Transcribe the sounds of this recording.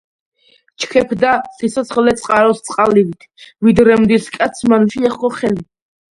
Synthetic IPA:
t͡ʃʰkʰɛpʰd̪asisɔt̪sʰχɛlɛt̪sʼqʼaɾɔst̪sʼqʼalivit̪ʰvid̪ɾɛmd̪iskʼat̪sʰmanuʃiɛχɔχɛli

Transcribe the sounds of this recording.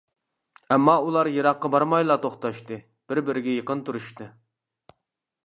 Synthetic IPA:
ɛmːɑulˠɑɾjeɾɑqːɑbɑɾmɑjlˠɑːt̪ʰoχt̪ɑʃt̪ɨ | b̥ɪɾbɪɾɪɡʲɛjəqənt̪ʰuɾuʃt̪ɨ

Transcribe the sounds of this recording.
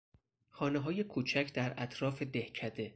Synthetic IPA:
xɒːneɦɒːje̞kʰuːt͡ʃʰæcʰd̪æɾæt̪ʰɾɒːfe̞d̪e̞hcʰæd̪e̞

